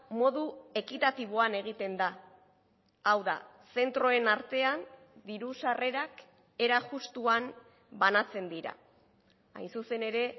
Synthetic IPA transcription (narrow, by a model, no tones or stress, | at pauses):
mo̞ðue̞kit̪at̪iβ̞o̞ane̞ɣ̞it̪e̞nd̪a | awða̰ | se̞nt̪ɾo̞e̞naɾt̪e̞an | d̪iɾusare̞ɾak | e̞ɾaʝust̪uan | banat͡se̞nd̪iɾa̰ | a̰jnsuse̞ne̞ɾe̞